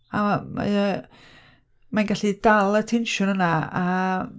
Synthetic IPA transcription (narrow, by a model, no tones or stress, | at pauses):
ama̰ə | manɡaɬidalˠətʰenʃʊnənaa